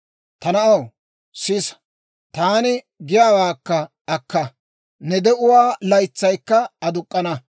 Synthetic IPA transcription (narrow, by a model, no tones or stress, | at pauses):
t̪ɐnɐʔɐw | sɪs | t̪aːnɪ | ɡɪjaːwaːkːɐ | ɐkːɐ | nɛd̪ɛʔʊwaːlɐjt͡sːɐjkːɐɐd̪ʊkʼːɐnɐ